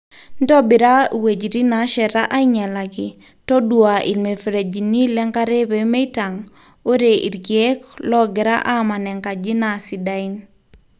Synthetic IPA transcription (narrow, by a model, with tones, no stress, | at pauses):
ndɔ˦bɪ˨ɾa˦we˨d͡ʒɾi˦na˨ʃɛ˨ɾa˦ʔa˦i˦ɲa˨la˨ɡɪ˨ | tɔ˦dwa˨ʔḭ˨lme˨fɾe˨d͡ʒi˨ni˦lɛ˦ŋka˦ɾe˦βe˨me˦i˦ta˨ŋ | o˦ɾe˨ʔḭ˨ɾɡje˦klɔ˦ɡɪ˨ɾa̰˦ʔa˦ma˨nɛ˨ŋka˨d͡ʒi˦na˨si˨da˦i˦n